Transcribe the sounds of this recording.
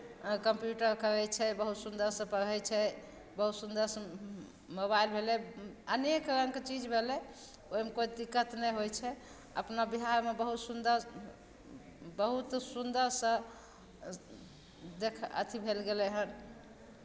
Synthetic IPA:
kəmpjuʈəɾkəɾɛt͡ʃʰɛbəɦut̪sund̪əɾsə̃pəɾɛjt͡ʃʰɛ | bəɦut̪sund̪əɾs | moβailbʱelɛənekɾə̃ŋkt͡ʃid͡ʒbʱelɛ | oimekoid̪ikːət̪nɛɦojt͡ʃʰɛ | ə̰pnabiɦaɾmebəɦut̪sund̪əɾ | bəɦut̪sund̪əɾsə̃ | d̪ekʰə̰t̪ʰibʱelɡelɛɦən

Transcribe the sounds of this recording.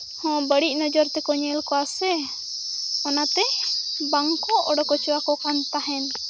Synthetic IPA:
hɔ̃bəɽic̚ˀnɔd͡ʒɔɾt̪ɛkɔɲɛlkɔasɛ | ɔnat̪ɛbaŋkɔʔɔ̰ɖɔkɔt͡ʃɔwakɔkant̪aɦɛn

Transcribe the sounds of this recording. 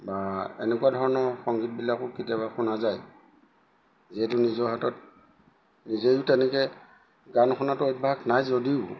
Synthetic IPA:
baɛ̰nɛkuadʱɔɹɔnɔɹxɔŋɡit̚bilakʊkitabaxunazaj | ziɛtʊnizɔɦatɔt̚ | nizejʊtɛnɛkɛ | ɡanxʰɔnatʊɔt̚bʱaknajzodiʊ

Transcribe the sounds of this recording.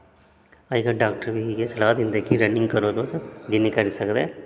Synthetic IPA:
akaɖaːk̚ʈəɾbʱiɦikesɐlaːd̪ɪ̃nd̪ekiɾənɪ̃ŋɡkəɾod̪osd͡ʒinikɐɾsɐkd̪eː

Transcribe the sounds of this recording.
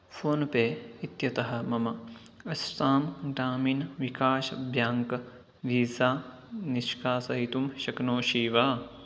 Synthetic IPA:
fʰoːnpeːit̪jɐt̪ɐɦɐ̆mɐmɐ | ɐsʈaːmɡɾaːmiːnʋikaːʃɐbʱjaːŋkɐ | ʋiːsaː | niʃkaːsɐɦit̪umʃɐknoːʃiːʋaː

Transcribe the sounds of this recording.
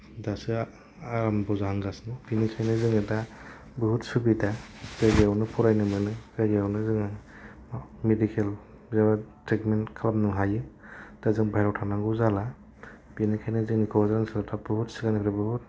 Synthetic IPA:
dasɯ | aɾambɔzaɦaŋɡasnɯbinisʰajnɯzɯŋɯta | bɯɦutsubitaɡɯɡiawnɯpʰɔɾajnɯmɯnɯɡaɡjawnɯzɯŋa | medikʰel | zawatɾikmenkʰalapnɯŋɦajɯd̥azɯŋbajɾɔwtʰanaŋɡɯzala | b̥inikʰajnɯzɯŋnikʰɔzɾansɯlatʰabɯhutsɯɡanɯpʰiɾabɯhut̚

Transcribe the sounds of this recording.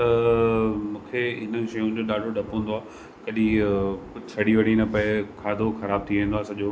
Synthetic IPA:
t̪ɐ | mũːkʰeɦɪn̆ʃɐjũd͡ʑoːɗaːɖʱoɖʱɐpːə̃nd̪oaː | kɐɗĩkʊsʰɐɽiʋɐɽ̤inɐpɐekʰaːd̪ʱoxɐɾaːb̚t̪ʰiʋẽːndoaːsɐʄoː

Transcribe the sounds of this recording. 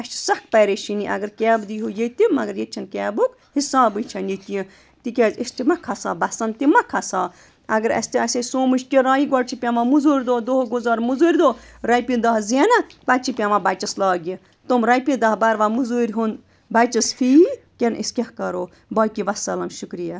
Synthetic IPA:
ɐʃt͡ʃsɐk̚ʰpɐɾeʃiniʔɐ̰ɡəɾkʲɛːbd̪iɦujet̪imɐɡəɾjet͡ʃʰɐnkʲɛːbuk | hisaːbɨt͡ʃʰɐnjit̪iĩ | t̪ikʲeːzist̪imɐkʰɐsa̰ːbɐsɐnt̪imɐkʰɐsaː | ɐɡɐɾɐ̰sʲt̪iɐsʲesoːmɨʃkʲeɾaːjiɡɐɽt͡ʃʰipʲamamuzuːɾʲd̪oːd̪oːɡozaːɾmuzuːɾʲd̪oː | ɾɐjpid̪ɐɦzenɐpɐt͡ʃʰipʲamabɐt͡ʃɐslaːɡʲi | t̪omɾɐjpʲĩd̪ɐɦbɐɾʋaːmuzuːɾʲɦun | bɐt͡ʃɐsfʰikʲenʔiskʲɐhkɐɾoː | bɐːkiʋɐsɐlɐmʃukɾija

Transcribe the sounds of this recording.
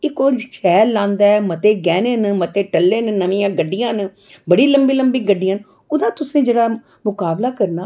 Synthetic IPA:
ɪkoːd͡ʒʃɛːɾlãːnd̪aːɛmət̪eːɡɛːneːnmət̪eːʈəlːeːnnəʋĩjãːɡəɖːɪjãːn | bəɽiːləmbiːləmbiːɡəɖːɪjãːn | ʊd̪ãːt̪ʊsẽːd͡ʒeːɽaː | mʊkaːblaːkəɾnaː

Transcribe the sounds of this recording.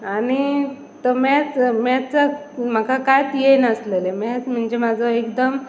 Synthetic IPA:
ani | t̪ɔmɛt͡smɛt͡sam̤akakajt̪jenəslelemɛt͡sm̤əɳd͡ʑemad͡zʱɔekd̪əm

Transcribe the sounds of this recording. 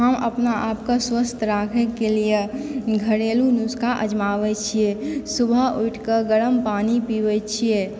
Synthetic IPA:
ɦəmə̰pnaʔapkaswəst̪ʰɾakʰɛkelijeɡʱəɾelunuskaʔəd͡ʒmaːʋɛt͡ʃʰijesubʱəuiʈkəɡəɾəmpaːnipiʋɛt͡ʃʰie

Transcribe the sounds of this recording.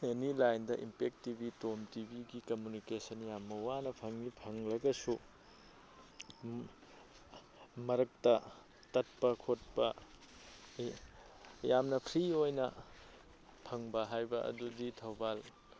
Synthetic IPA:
enilajndɐʔimpek̚tibitomtibʱiɡikɐmjunikesɐnjamːɐwanɐpʰɐŋipʰɐŋlɐɡɐsu | mɐɾɐk̚tɐ | tɐt̚pɐkʰot̚pɐ | jamnɐpʰɾiojnɐ | pʰɐŋbɐɦajbɐʔɐ̰duditʰɐwbal

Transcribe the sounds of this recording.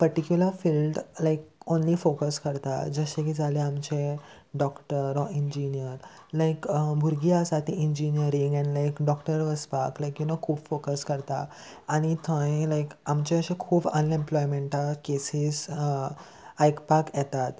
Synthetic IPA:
pəɾʈikjuləɾfilɖlajkonliːfokəskəɾt̪a̰d͡zəɕẽkid͡zaleamt͡ɕe | ɖɔkʈəɾɔʔind͡ʑinijəɾ | lajkbʱuɾɡiasat̪ːĩind͡ʑinijəɾĩŋɡɛ̃nlajkɖɔkʈəɾʋəspaklajkjunokʰuːbfokəskəɾt̪aː | ɽ̃it̪ʰə̃ĩlajkamt͡ɕeəɕẽkʰuːbənẽmplɔjmẽɳʈalkesis | ajkpakjɛt̪at̪

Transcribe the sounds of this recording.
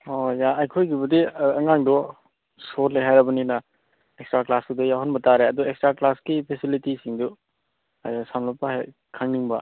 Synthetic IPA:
ojaːjkʰojɡibɐdiɐŋaŋdɔ | soɾleɦajɾɐbɐninɐ | ekstɾaklasudɔjaɦɔnbɐtaɾeɐduekstɾaklaskipʰesilitisiŋdu | samlapːaɦḛ | kʰaŋniŋbɐ

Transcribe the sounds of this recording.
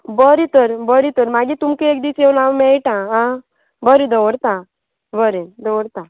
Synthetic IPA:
bəɾit̪əɾbəɾit̪əɾmaɡit̪umkeek̚d̪iseʋnaʋmɛɭʈãɦã | bəɾid̪əʋəɽt̪ã | bəɾid̪əwəɽt̪ã

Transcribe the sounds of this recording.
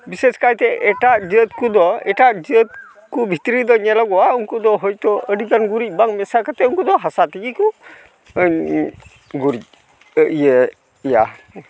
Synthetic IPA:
biseskajt̪ɛɛʈad͡ʒət̪̚kud̪ɔɛʈaʔd͡ʒət̪̚ | kubʱit̪ɾid̪ɔɲɛlaɡɔwauŋkud̪ɔɦɔjt̪ɔʔəɖikanɡuɾic̚ˀbaŋmɛsakat̪ɛuŋkud̪ɔɦasat̪iɡiku | ɲ | ɡuɾic̚ | əʔjɛ | ɛja

